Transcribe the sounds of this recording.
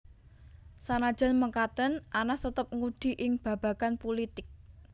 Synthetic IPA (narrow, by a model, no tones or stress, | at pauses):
sanad̥ʒ̥ə̤nməŋkat̪ənʔanasət̪əp̚ŋuɖ̪̥i̤ʔɪŋb̥ä̤b̥ä̤kanpulit̪ɪk̚